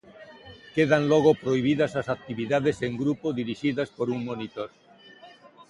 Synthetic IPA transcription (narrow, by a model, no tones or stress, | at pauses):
keðaŋlɔɣ̞opɾoiβ̞iðɐsasak̚t̪iβiðaðeseŋɡɾupoðiɾiʃiðɐspoɾuŋmonit̪oɾ